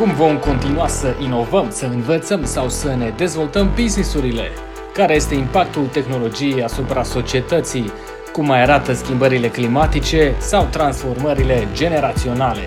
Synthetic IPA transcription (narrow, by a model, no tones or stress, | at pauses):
kumvo̞mko̞nt̪inuasəʔino̞vəmsəɨnvət̪səmsawsəne̞d̪e̞zvo̞lt̪əmbiznisuɾile̞ | kaɾeje̞st̪e̞impak̚t̪ult̪e̞xno̞lo̞d͡ʒijejasupɾaso̞t͡ʃie̞t̪ət̪sij | kumːajaɾat̪əskʲimbəɾile̞klimat̪it͡ʃe̞sawt̪ɾansfo̞rməɾile̞d͡ʒe̞ne̞ɾat̪sio̞nale̞̰